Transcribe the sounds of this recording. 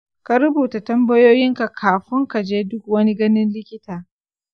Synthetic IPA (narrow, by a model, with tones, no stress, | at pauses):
ka˨ɾʊ˦buː˨ta˨tɐ˦mbɐ˦joː˦jɪ˦ŋka˨kʰaː˨ɸɪ˦ŋka˨d͡ʒeː˦dʊ˦k̚wɐ˦ni˦ɡɐ˦nɪ˦nlɪ˦kʲɪ˦taː˨